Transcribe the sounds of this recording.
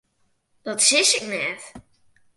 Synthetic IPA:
d̥ɔtsɪsɪknɛt

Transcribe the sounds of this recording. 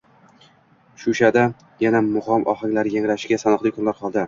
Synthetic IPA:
ʃʊʃad̪a | janamʊχɒmʔɒ̰χɪŋʲlaɾjaŋɾaʃɪɡʲasanɨqlɪkʰʊnlaɾqʰɒlˠd̪ɪ

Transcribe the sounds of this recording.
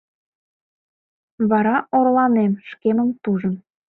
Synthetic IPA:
βɑɾɑorlɑnemʃkeməmt̪uʒə̆m

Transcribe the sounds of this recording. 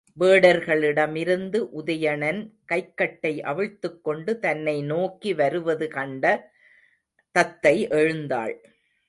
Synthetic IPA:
ʋeːɽɐɾɣɐɭɪɽɐmɪɾɯnd̪ɯʔʊðɐjɐɳɐnkɐɪkːɐʈːɐɪʔɐ̰ʋɯɻt̪ːɯkːɔɳɖɯt̪ɐnːɐɪnoːkːiʋɐɾɯʋɐðɯkɐɳɖɐ | t̪ɐt̪ːɐɪʔɛɻɯnd̪a̰ːɭ

